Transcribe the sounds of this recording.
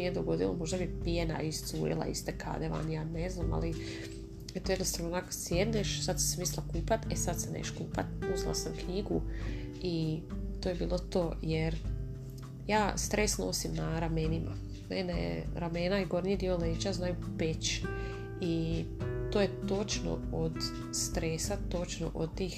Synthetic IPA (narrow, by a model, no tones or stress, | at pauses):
nijed̪oɡo̞d̪ilo̰mo̞ʒd̪abipijena̰ist̪suːɾḭlˠa̰ḭst̪ekʰa̰d̪eʋa̰njaːneznaːma̰li | et̪ojed̪nost̪aʋnonako̥sjed̪neʃsad̪si̥smiːslˠakuːpat̪esad̪senḛʃkṵːpa̰t̪̚pozlˠa̰samkɲiɡu | it̪oːje̞biːlˠo̞t̪oːjeɾ | jaːst̪ɾʔesno̰ːsimnaɾamenima̰ | menejḛɾame̞naiɡo̞ɾnid̪ioleːd͡ʒaznaːjupet͡ɕ | i | t̪oje̞t̪ot͡ʃno̞̰od̪ | st̪ɾeːsat̪o̞t͡ʃno̰ʔod̪̚t̪iːx